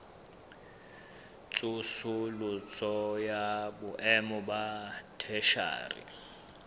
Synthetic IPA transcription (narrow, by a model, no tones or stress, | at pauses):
t͡sʼusʊlʊt͡sʼɔjabʊʔɛmɔbatʰɛʃa̰ːrḭ